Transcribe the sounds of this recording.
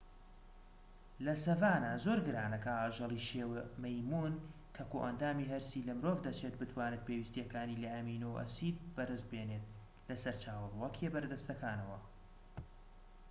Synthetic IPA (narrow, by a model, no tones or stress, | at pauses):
lɐsɐvaːnazoːɾɡɨɾaːnɐkɐaːʒɐlˠiʃeːwemɐjmuːnkʰɐkoʔɐnd̪aːmiɦɐɾsilɐmɨɾoːvd̪ɐt͡ʃʰet̪̚bɨt̪ʰwaːnɨt̪̚pʰewist̪jɛkaːniːlɐʔɐmiːnowʔɐ̰siːd̪̚bɐɾɨz̚beːneːt̪̚ | lɐsɐɾt͡ʃaːwɐlwɐkʰebɐɾd̪ɐst̪ɐkaːnɐwɐ